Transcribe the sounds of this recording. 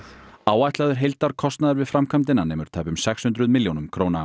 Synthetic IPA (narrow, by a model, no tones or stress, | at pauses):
aːwajht̪laðʏɾ̥ɦejlt̪aɾ̥kʰɔst̪naðaɾvɪðfɾamkʰamt̪ɪnːanɛːmʏɾ̥t̪ʰaːjpʏmsɛkshʏnt̪ɾʏðmɪljownʏmkʰɾoːwna